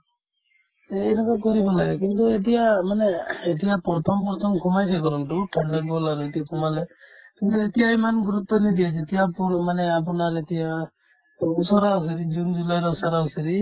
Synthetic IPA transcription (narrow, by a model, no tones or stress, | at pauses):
ɛɛnɔkakɔɾibɔlaɡɛkint̪uet̪̬ijamanɛːt̪̬ijapɔɾt̪ʰɔmpɔɾt̪ʰɔmkʰumajsɛkɔɾɔnʈuʈʰaɳɖɛɡɔlaɾuet̪ijakʰumalɛkint̪uet̪ijaimanɡuɾut̪ːɔnid̪ijat͡ʃʰet̪ijapɔɾmanɛap̬ɔnaɾet̪ija | usɔɾaus̬iɾid͡ʒund͡ʒulajɾɔusɔɾausiɾi